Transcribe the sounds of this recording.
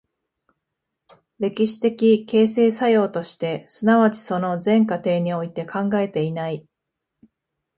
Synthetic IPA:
ɾe̞kʲiɕi̥t̪e̞kʲike̞ːse̞ːsajo̞ːt̪o̞ɕi̥t̪e̞sɨnaβat͡ɕi̥so̞no̞zẽ̞ŋkat̪e̞ːɲ̟io̞it̪e̞kãŋɡae̞t̪e̞inai

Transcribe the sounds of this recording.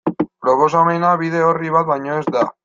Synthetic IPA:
pɾo̞po̞s̬ame̞naβið̞e̞o̞riβ̞at̪̚bajɲo̞ezd̪a

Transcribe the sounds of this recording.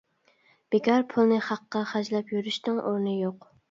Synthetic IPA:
b̥ekʲɑɾpʰulˠnɨχɑqːɑχæd͡ʒlɛpjyɾyʃt̪ɨŋʔoɾnɨjoq

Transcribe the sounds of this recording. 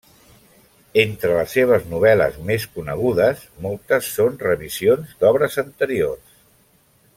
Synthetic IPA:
ent̪ɾələsːeβ̞əznuβ̞ɛlə̰zmeskunəɣ̞uðəsmɔlˠt̪əsːonrəβizionzd̪ɔβɾəzənt̪əɾiors

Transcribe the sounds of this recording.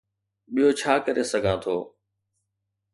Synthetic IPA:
ɓijot͡ɕʰaːkəɾesəɡʱãt̪ʰoː

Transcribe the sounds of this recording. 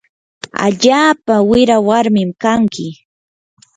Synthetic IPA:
a̰ʎaːpawɪɾawaɾmɪmkaŋkɪ

